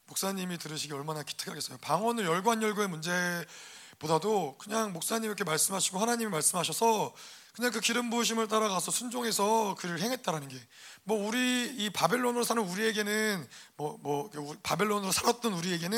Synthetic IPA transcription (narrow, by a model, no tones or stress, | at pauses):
mok̚s͈aɲimitɯɾɯɕʰiɡeʌɭmanaki̥tʰɯ̥kʰaɡe̞s͈ʌjopaŋwʌnɯɭjʌɭɡuɦanjʌɭɡue̞mund͡ʑe̞ | bodadokɯɲaŋmok̚s͈aɲimiɾʌkʰemaɭs͈ɯmɦaɕʰiɡohanaɲimimaɭs͈ɯmɦaɕ̬ʰʌsʰʌ | kɯɲaŋkɯkiɾɯmboɕ̬ʰimɯɭt̬͈aɾaɡasʰʌsʰund͡ʑoŋe̞sʰʌkɯɾɯɭɦe̞ŋɦe̞t̚t͈aɾanɯnɡe̞ | mwʌuɾiːpabe̞ɭːonɯɾosʰanɯnuɾie̞ɡe̞nɯnmwʌmwʌkpabe̞ɭːonɯɾosʰaɾat̚t͈ʌnuɾie̞ɡe̞nɯ